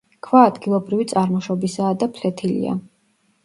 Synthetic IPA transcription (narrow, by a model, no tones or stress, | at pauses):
kʰvaːd̪ɡilˠɔbɾivit̪sʼaɾmɔʃɔbisaːd̪apʰlɛt̪ʰilḭa̰